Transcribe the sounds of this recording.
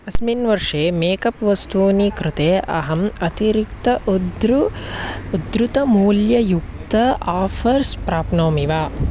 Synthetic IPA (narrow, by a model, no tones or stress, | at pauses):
ɐsminʋɐɾʂeːmeːkɐpʋɐst̪ʰuːnikɾɪt̪eːʔɐ̰ɦɐmɐt̪iɾikt̪ɐʔd̪ɾ | ud̪ɾut̪ɐmuːljɐjukt̪ɐaːfʰɐɾspɾaːpnoːmiʋaː